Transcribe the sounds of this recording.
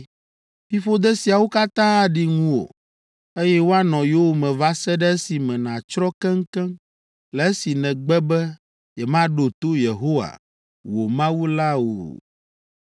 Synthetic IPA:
fi˦fo˦d̪ɛ˦si˨a˨wo˦ka˦t̪ã˦ɖi˨ŋũ˦o̰˨ | e˦jɛ˦wo˦a˦nɔ̃˨jo˦wo˨mɛ̃˨va˦sɛ˦ɖɛ˦e˦si˨mɛ̃˨nã˨t͡ʃɾɔ̃˦kɛ̃˦ŋ̩˦kɛ̃˦ | lɛ˨e˦si˨nɛ̃˨ɡ͡bɛ˦bɛ˦ | jɛ˨mã˦ɖo˨t̪o˦je˨ɦo˦wa̰˨ | wo˨mã˦wu˦la˦o̰˨

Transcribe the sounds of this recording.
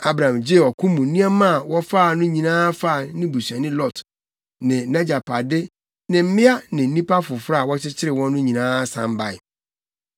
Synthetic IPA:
a˦bɾã˨md͡ʑe˦˨ɔ˨kʰʊ̃˦mũ˨˦nĩ˦a˦mã˦˨wɔ˦fa˦˨nʊ̃˦ɲĩ˨nãː˦fa˦˨nɪ̃˦bu˨sa˨nɪ̃˦lɔ˦t | nɪ̃˨nã˦d͡ʑa˨pʰa˨dɪ˦ | nɪ̃˨m̩˦mɪ̃˦a˦nɪ̃˨n̩˦nĩ˦pa˦fʊ˨fɾa˦a˨wɔ˦t͡ɕʰɪ˦t͡ɕʰɪ˦ɾɪ˨wɔ̃˦nʊ̃˦ɲĩ˨nãː˦sã̰˨m˦ba˨ɪ˨

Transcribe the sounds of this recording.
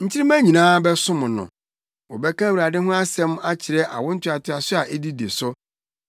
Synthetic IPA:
ɲ̩˦t͡ɕʰɪ˦ɾi˦mæ̃˦ɲĩ˨nãː˦bɛ˦sʊ̃˦mʊ̃˨nʊ̰̃˨ | wɔ˨bɛ˦kã˦wu˨ɾa˨dɪ˦ɦʊ̃˦a˦sɛ̃˦ma˦t͡ɕʰɪ˨ɾɛ˦ʔa̰˨wɔ̃˦n̩˦tʰᶣɪ˦a˨tʰɪ˨˦a˨sʊ˦a˨ʔe˦di˦de˨sʊ˦

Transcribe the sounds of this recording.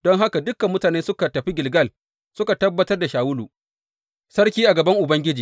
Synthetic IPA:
d̥ɔ˦ŋɦa˦ka˨dʊ˦kːɐ˨mːʊ˦taː˨neː˦sʊ˦ka˨tɐ˨ɸi˦ɡʲɪ˨lɡɐ˦˨l | sʊ˦ka˨tɐ˦bːɐ˦tɐ˦rda˨ʃaː˨wʊ˦luː˨ | sɐ˦rk̬ʲiː˦ʔa˨ɡɐ˨bɐ˦ŋʔʊ˨bɐ˦ŋɡʲɪ˦d͡ʒiː˨

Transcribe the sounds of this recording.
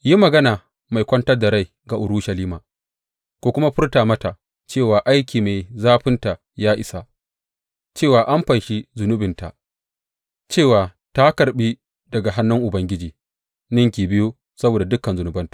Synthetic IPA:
ji˦mɐ˨ɡɐ˦naː˨ | ma˨jkʷɐ˦ntɐ˦da˨ɾa˦˨j | ɡa˨ʔʊ˨ɾu˦ʃɐ˨liː˦maː˨ | kʷoː˦kʷʊ˦ma˦ɸʊ˦rtaː˨mɐ˦ta˨ | t͡ʃeː˦˨waː˨ʔa˦jkʲʰiː˨meː˨jzaː˦ɸɪ˦nta˨ | jaː˦ʔɪ˨sa˨ | t͡ʃeː˦˨waː˨ʔa˦mɸa˨nʃi˦zʊ˨nʊ˦bɪ˨nta̰˨ | t͡ʃeː˦˨waː˨ | ta˦kɐ˨ɾɓiː˦ | dɐ˨ɡa˨ɦa˦nːʊ˦ŋʔʊ˨bɐ˦ŋɡʲɪ˦d͡ʒiː˨ | nɪ˦ŋkʲiː˨bɪ˦jo˦ | sɐ˦boː˨da˨dʊ˦kːɐ˨nzʊ˨nʊ˨bɐ˦ntḁ˨

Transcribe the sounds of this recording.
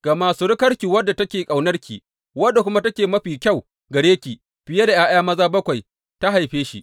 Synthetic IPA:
ɡ̥a˨maː˨suː˦ɽɪ˦kɐ˦ɽkʲiː˨wɐ˦dːa˨tɐ˦kʲeː˨kʼa˨wnɐ˦rkʲʰḭː˨ | wɐ˦dːa˨kʷʊ˦ma˦tɐ˦kʲeː˨mɐ˦ɸiː˨kʲɐ˦˨w | ɡɐ˨ɽeː˦kʲiː˨ | ɸɪ˨je˦da˨jaː˦j̰aː˦mɐ˦zaː˦bɐ˦kʷa˨j | ta˦ɦa˨jɸeː˦ʃḭ˦

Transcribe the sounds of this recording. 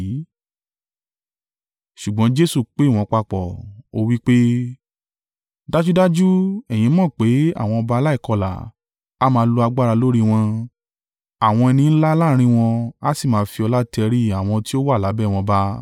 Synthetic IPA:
ʃu˨ɡ͡bɔ̃˨˦d͡ʒe˦su˦˨k͡pe˨˦˨w̃ɔ̃˨˧k͡pa˧k͡pɔ˨o˧wi˦k͡pe˦ | da˦d͡ʒu˦da˦d͡ʒu˦ɛ˨j̃ĩ˨˧˦mɔ̃˦˨k͡pe˨˦a̰˦˨w̃ɔ̃˧ɔ˧ba˧la˦i˦˨kɔ˧la̰˨ | a˨˦mãː˧˦˧lo˧a˧ɡ͡ba˦ɾa˧lo˦ɾi˦w̃ɔ̃˧ | a˨w̃ɔ̃˧ɛ˧nĩ˧n̩˦la˦la˦ɾ̃ĩ˧w̃ɔ̃˧a˦si˦˨mãː˨˦fi˧ɔ˧la˦tɛ˧ɾi˦a˨w̃ɔ̃˧ti˦o˦wa˦˨la˨˦bɛː˦˨w̃ɔ̃˧ba˧˦

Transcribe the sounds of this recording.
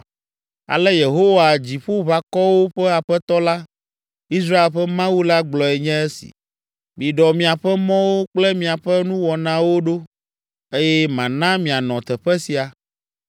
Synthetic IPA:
a̰˨lɛ˦je˨ɦo˦wa˨d͡ʑi˨ɸo˦βa˨kɔ˦wo˦ɸɛ˦a˨ɸɛ˦t̪ɔ˦la˦ | i˦s̬ɾa˦e˨lɸɛ˦mã˦wu˦la˦ɡ͡blɔ˨ɛ˨ɲɛ̃˦ɛ˦sḭ˨ | mĩ˨ɖɔ˨mĩ˨a˨ɸɛ˦mɔ̃˦wo˦k͡plɛ˦mĩ˨a˨ɸɛ˦nũ˦wɔ˨nã˦wo˦ɖo˦ | e˦jɛ˦mã˨nã˦mĩ˨a˨nɔ̃˨t̪ɛ˨ɸɛ˦si˨a˨

